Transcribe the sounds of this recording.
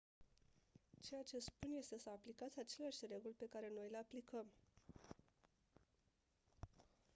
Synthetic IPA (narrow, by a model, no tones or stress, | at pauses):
t͡ʃe̞jat͡ʃe̞spunje̞st̪e̞səaplikat̪sʲat͡ʃe̞leaʃʲre̞ɡulpe̞kaɾe̞no̞jleaplikəm